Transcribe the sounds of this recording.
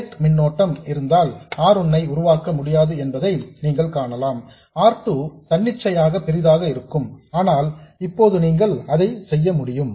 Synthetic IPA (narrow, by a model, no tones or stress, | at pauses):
ʈ̪mɪnːoːʈːɐmɪɾɯnd̪aːlaːɾɔnːɐɪʊɾʊʋaːkɐmʊɽɪjaːðɯɛnbɐðɐɪniːŋɡɐɭkaːɳɐlaːm | aːɾt̪ɯt̪ɐɳːɪt͡ʃːɐjaːɣɐpɛɾɪðaːɣɐɪɾɯkːɯmaːnaːlɪpːoːðɯniːŋɡɐɭɐðɐɪsɛjːɐmʊɽɪjɯm